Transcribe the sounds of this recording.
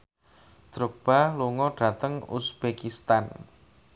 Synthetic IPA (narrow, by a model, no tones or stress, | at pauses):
d̪̥ɾok̚b̥aluŋɔɖ̥ä̤t̪əŋṵsb̥ekist̪an